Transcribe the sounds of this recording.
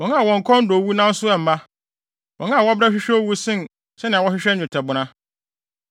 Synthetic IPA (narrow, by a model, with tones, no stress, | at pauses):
wɔ̃˨ŋã˦a˨wɔ̃˨ŋ̩˨kʰɔ̃˦n̩˦do˨wu˦nã˦n̩˦sʊ˦ɛ˨m̩˨ma˦ | wɔ̃˨ŋã˦a˨wɔ˦bɾɛ˦ɕᶣɪ˦ɕᶣɛ˦o˦wu˦sɪ̃˦˨n˨ | sɛ˦nɪ̃˨a˨wɔ˦ɕᶣɪ˦ɕᶣɛ˦n̩ᶣ˦˨ʊ̃˨tʰɛ˨bʊ˨nã˦